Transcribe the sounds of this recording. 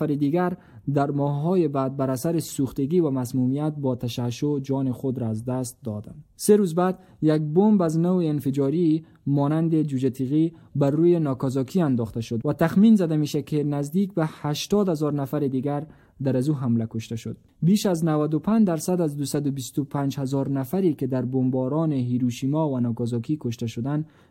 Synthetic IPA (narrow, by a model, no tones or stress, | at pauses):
aɾid̪iɡaɾ | d̪aɾmɔhɦɔjebad̪̚baɾasaɾesuxt̪eɡiːvamasmumijat̪̚bɔt̪ʰaʃaʃod͡ʒɔnexod̪ɾɔazd̪ast̪̚d̪ɔd̪anseɾuzbad̪ | jak̚bombaznoweːnfed͡ʒɔɾi | mɔːnand̪ed͡ʒud͡ʒat̪ʰiɣibarujenɔkɔzɔkʰiand̪ɔxt̪aʃʊd̪wat̪axminzad̪ameʃakenazd̪ik̚bahaʃt̪ɔd̪hazɔɾnafaɾed̪iɡaɾ | d̪aɾazuɦamlakʊʃt̪aʃʊd̪̚ | biʃaznawad̪ʊpʰand͡ʒd̪aɾsad̪azd̪usad̪ʊbist̪ʊpʰand͡ʒhazɔɾnafaɾiked̪aɾbombɔɾɔneɦiɾuʃimɔvanɔkɔzɔkikʊʃt̪aʃʊd̪an